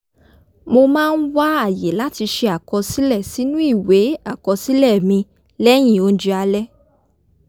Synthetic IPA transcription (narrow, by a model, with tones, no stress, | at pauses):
mo˧mãː˦˧n̩˦wa˦a˦˨je˨˦la˦ti˧ʃe˧a˨kɔ˧si˦lɛ˦˨si˨˦nũ˦i˦˨we˨˦a˦˨kɔ˧si˦lɛ˦˨mĩ˧ | lɛ˦j̃ĩ˦˧˨o˧n̩˦d͡ʒi˧a˧lɛ˦